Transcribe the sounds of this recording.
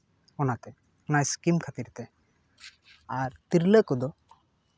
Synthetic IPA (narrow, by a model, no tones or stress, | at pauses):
ɔnat̪ɛ | najskimkʰat̪iɾt̪ɛ | aɾt̪iɾləkɔd̪ɔ